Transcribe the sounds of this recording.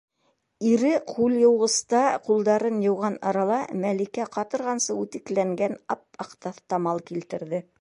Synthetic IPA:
iɾɘqʰuljŏwʁɤ̆st̪ɑqulˠd̪ɑɾɤnjɤ̆wʁɑnɑɾɑlˠɑmælikæqɑt̪ɤ̆ɾʁɑnsɤʉt̪ɘ̆klæŋɡænɑp̚ɑqt̪ɑθt̪ɑmɑlˠkilt̪ɘ̆ɾðɘ

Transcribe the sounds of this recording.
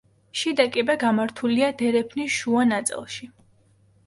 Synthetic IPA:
ʃid̪akʼibɛɡamaɾt̪ʰuliad̪ɛɾɛpʰniʃuanat̪sʼḭlˠʃi

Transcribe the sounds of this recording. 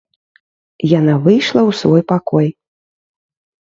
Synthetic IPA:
jan̪avɨjʂlˠɐwsvɔjpakɔj

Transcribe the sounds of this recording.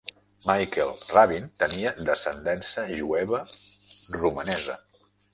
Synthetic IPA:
majkelˠraβint̪əniəd̪əsənd̪ɛnsəʒuɛβə | rumənɛzə̰

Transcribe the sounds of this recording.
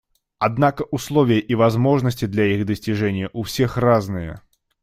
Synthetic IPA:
ad̪̚nakɐʔuslˠɔvʲɪjəʔivazmɔʐnəsʲtʲid̪lʲɐjiɣd̪əsʲt͡sʲiʐɛnʲjɐʔuwsʲɛxraznɨjɐ̰

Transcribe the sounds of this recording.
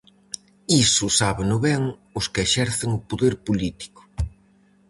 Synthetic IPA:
isʊsaβenʊβɛŋʊskɪeʃɛɾθɪŋʊpoðeɾpolit̪i̥kʊ̥

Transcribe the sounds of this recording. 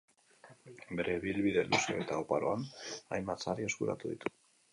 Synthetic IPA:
be̞ɾe̞βilβiðe̞̰lʔuseoet̪aopaɾo̞anajmbat͡saɾio̞skuɾa̰t̪uðit̪u̥

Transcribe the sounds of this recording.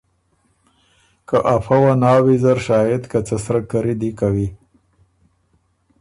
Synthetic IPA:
kaʔafawanɑwizaɾʃɑːjɪd̪kat͡səsɾakaɾid̪ikawi

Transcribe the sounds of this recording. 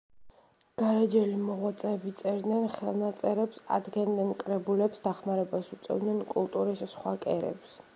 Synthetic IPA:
ɡ̥aɾad͡ʒɛlimɔʁwat̪sʼɛːbit̪sʼɛɾd̪nɛnχɛ̰lˠnat̪sʼɛɾɛpsa̰d̪ɡɛnd̪ɛnkʼɾɛbulɛpsd̪aχmaɾɛbasut̪sʼɛ̰vd̪nɛnkʼulˠt̪ʼuɾissχwakʼɛɾɛ̰ps

